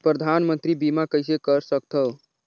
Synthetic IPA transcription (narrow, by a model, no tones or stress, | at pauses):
pɾəd̪ʱanmənt̪ɾibimakəjsekəɾsəkt̪ʰə